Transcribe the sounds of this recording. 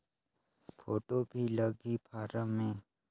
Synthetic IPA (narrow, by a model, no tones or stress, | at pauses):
pʰoːʈobʱiləɡipʰaːɾəmːẽː